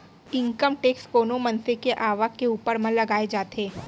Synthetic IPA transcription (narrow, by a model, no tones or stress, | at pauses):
ɪ̃ŋkəmʈeːkskoːnomɐ̃nsekeʔaːʋəkkːeuːpəɾmɐ̃lɐɡaːed͡ʒaːt̪eː